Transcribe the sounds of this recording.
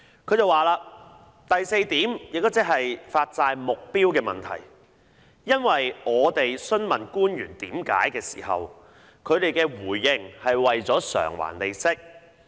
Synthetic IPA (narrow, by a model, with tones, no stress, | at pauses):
kʰɵ˨˧t͡sɐ˨˧waː˨laː˧ | t̪ɐ˨jse˧jt̪iː˨˥mjɪ˨k̚t̪o˥wt͡sɪ˨˥k̚ɦɐ˨jfaː˧t̚t͡saː˧jmʊ˨k̚piː˥wkɛː˧mɐ̰˨nt̪ʰɐ̰˨˩j | jɐ˥nwɐ˨jŋɔː˨˧t̪e˨jsɵ˥nmɐ̰˨˩nkuː˥njyː˨˩nt̪iː˨˥mka̰ː˨˥jkɛː˧si̥̰ː˨˩hɐ̰˨w | kʰɵ˨˧ɥt̪e˨jkɛː˧wuː˨˩jːɪ˨˩ŋhɐ˨jwɐ˨jt͡sɔː˨˥sœ̰ː˨˩ŋwa̰ː˨˩nle˨jsɪ˥k̚